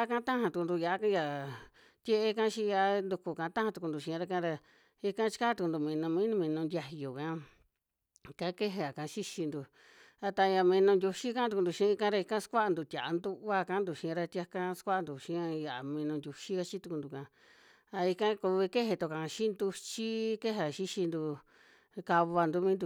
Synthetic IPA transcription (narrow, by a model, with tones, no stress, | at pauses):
a˦˧kã˦t̪ã˦hã˧t̪u˧ku˧nd̪u˧ja˨ʔa˦ka˦ja˧ | t̪ʲje˧ʔe˧kã˦ʃĩ˧˦˧ja˧˦nd̪u˧ku˧kã˧˦t̪ã˦hã˧t̪u˧ku˧nd̪u˧˨ʃĩ˧ã˧ɾa˧kã˧˦˧ɾa˧ | i˧kã˦t͡ʃi̥˦ka˦t̪u˧ku˧nd̪u˧mĩ˧nũ˧mĩː˦nũ˧mĩ˧nũ˧nd̪ʲja˧jo˨kã˧ | kã˦ke˦ɦe˧a˨kã˧ʃi˦ʃi˧nd̪u˧ | a˧t̪ã˧a˧mĩ˧nũ˧ndʲu˧ʃi˦kã˦t̪u˧ku˧nd̪u˧ʃĩ˧˦˧kã˦ɾa˧i˧kã˦skʷa˦˧nd̪u˧˨t̪ʲa˨a˧nd̪u˦˧˦a˧kã˦nd̪u˧˨ʃĩ˧ɾa˧t̪ʲa˧kã˦˧skʷa˦˧nd̪u˨ʃĩ˧˦ã˧ja˨ʔa˨mĩ˧nũ˧ndʲju˧ʃi˦ka˧t͡ʃi˦t̪u˧ku˧nd̪u˧kã˧ | a˧i˧kã˦ku˧βi˧ke˦ɦe˧t̪o˧˨kã˨˧ʃĩ˦nd̪u˧t͡ʃi˦ke˦ɦa˧˨ʃi˦ʃi˧nd̪u˧ | ka˧βa˧nd̪u˧˦mĩ˦nd̪u˧